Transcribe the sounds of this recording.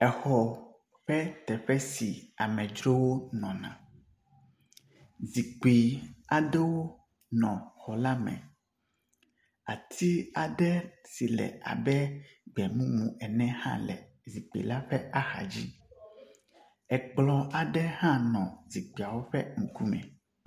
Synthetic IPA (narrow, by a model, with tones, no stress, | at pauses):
ɛ˨xɔ˨ | ɸɛ˦t̪ɛ˨ɸɛ˦si˨a˨mɛ̃˨d͡ʒɾo˦wo˦nɔ̃˨nã̰˨ | zi˨k͡pi˨a˨ɖɛ˦wo˦ | nɔ̃˨xɔ˨la˦mɛ̰̃˨ | a˨t̪ʰi˦a˨ɖɛ˦si˨lɛ̰˨ʔa̰˨bɛ˦ɡ͡bɛ˨mũ˦mũ˨ɛ˨nɛ̃˦hã̰˦lɛ̰˨ | zi˨k͡pḛ˨la˦ɸɛ˦a˦xa̰˨d͡ʑi˦ | ɛ˨k͡plɔ˨a˨ɖɛ˦hã˦nɔ̃˨zi˨k͡pi˨a˨wo˦ɸɛ˦mũ˨ku˦mɛ̰̃˨